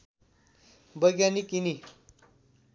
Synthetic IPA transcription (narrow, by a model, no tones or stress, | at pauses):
bʌjɡjanikini